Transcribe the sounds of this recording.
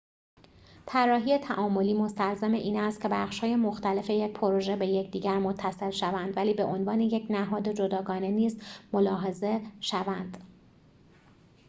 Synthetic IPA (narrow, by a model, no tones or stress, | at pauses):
t̪ʰærːɒːɦiːet̪ʰæʔɒːmo̞liːmo̞st̪ælzæmeʔiːnæst̪̚cʰe̞bæχʃhɒːje̞mo̞xt̪æle̞fe̞jecpʰo̞ɾo̞ʒe̞be̞jecʰd̪iːɟæɾmo̞t̪ʰːæse̞lʃævænd̪væliːbeʔo̞nvɒːne̞jecʰnæɦɒːd̪e̞d͡ʒo̞d̪ɒːɡɒːne̞niːzmo̞lɒːɦe̞ze̞ʃævænd̪̥